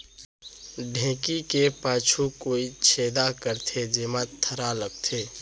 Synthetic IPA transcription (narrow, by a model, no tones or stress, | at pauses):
ɖʱẽːkikepaːt͡ʃʰukoːit͡ʃʰeːd̪akəɾt̪ʰed͡ʒeːmat̪ʰːəɾaləɡ̚t̪ʰeː